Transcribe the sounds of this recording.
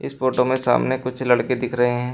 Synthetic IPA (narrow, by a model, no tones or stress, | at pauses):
ɪsfoːʈomẽsa̰ːmnekʊt͡ʃʰlɐɽked̪ɪkʰɾɐɦeɦɛ̃ː